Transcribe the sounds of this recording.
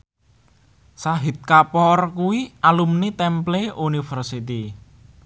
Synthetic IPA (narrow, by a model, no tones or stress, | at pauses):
saɦit̪̚kapɔrkuwiʔalumnit̪ɛmpleunifərsit̪i